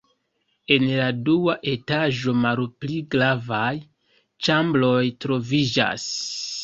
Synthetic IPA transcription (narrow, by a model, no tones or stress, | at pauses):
e̞nladuaʔe̞taʒo̞malpliɡɾavaj | t͡ʃamblo̞jtɾo̞vid͡ʒa̰s